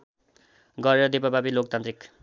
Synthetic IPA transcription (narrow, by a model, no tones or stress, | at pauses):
ɡʌɾeɾʌd̪epapapilok̚t̪ant̪ɾik